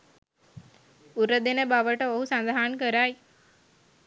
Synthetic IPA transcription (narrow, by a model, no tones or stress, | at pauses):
uɾəd̪enəbaʋəʈəoɦusand̪aɦankəɾaj